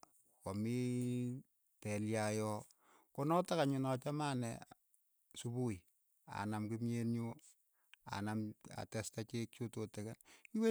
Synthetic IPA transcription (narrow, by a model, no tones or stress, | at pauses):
komi | tɛljajɔ | konɔtakaɲʊnɔt͡ʃamaːnɛ̰ | subu | a̰namkimjenju | a̰nama̰tɛstat͡ʃek̚t͡ʃototɛkɛnkiwe